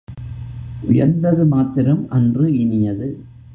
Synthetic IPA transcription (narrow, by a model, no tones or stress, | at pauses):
ʔʊjɐɾnd̪ɐðɯmaːt̪ːɪɾɐmʔɐndrɯɪnɪjɐðɯ